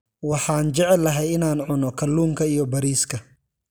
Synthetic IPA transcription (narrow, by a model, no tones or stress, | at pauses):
wɑħɑːnt͡ʃɛʕɛlːɐɦɛjɪnaːnʕʊnɔkʰɐlːuːmkʰɐijɔbɐɾiːskʰɐ